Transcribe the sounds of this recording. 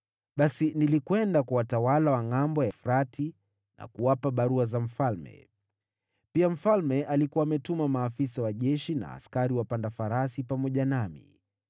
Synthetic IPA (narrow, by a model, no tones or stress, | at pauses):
ɓasinilikwɛndakuwatawalawaŋambɔjafuɾatʰi | na̰kuwapaɓaɾuazam̩falmɛ̰ | piam̩falmɛʔalikuaːmɛtumamaːfisawaʄɛʃina̰ːskaɾiwapandafaɾasipamɔʄanamḭ